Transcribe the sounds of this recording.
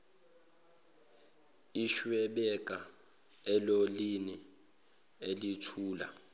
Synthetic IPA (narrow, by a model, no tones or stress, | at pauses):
iʃwɛɓɛkʼa | ɛlolini | elitʰuːla̰